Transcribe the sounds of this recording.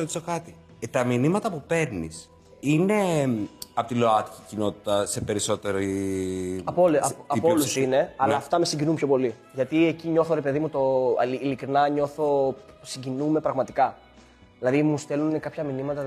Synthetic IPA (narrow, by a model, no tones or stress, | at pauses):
ot̪isokɐt̪i | t̪ɐminimɐt̪ɐpupe̞ɾnis | ine̞ | ɐpo̞t̪ilo̞ɐt̪i̥cicino̞t̪i̥t̪ɐse̞pe̞ɾiso̞t̪e̞ɾi | ɐpolɐpolusine̞ɐlɐːft̪ɐme̞siɲɟinumpçopo̞li | ʝɐt̪ieciɲo̞θoɾe̞pe̞ðimut̪oːlikɾinɐɲo̞θo̞siɲɟinume̞pɾɐɣmɐt̪ikɐ | ðilɐðimust̪e̞lunnekɐpçɐminimɐt̪ɐ